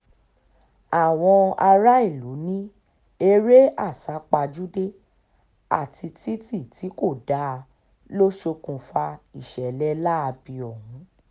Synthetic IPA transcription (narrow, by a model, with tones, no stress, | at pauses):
a˨w̃ɔ̃˧a˧ɾa˦i˦˨lu˨˦nĩ˦ | e˧ɾe˦a˦˨sa˨˦k͡pa˧d͡ʒu˦de˦ | a̰˦˨ti˧ti˦ti˦˨ti˨˦ko˦˨da˨˦˧ | lo˦ʃo˧kũ˨fa˧i˦˨ʃɛ˨lɛ˨˦la˦a˧bi˧ɔ˨hũ˨˦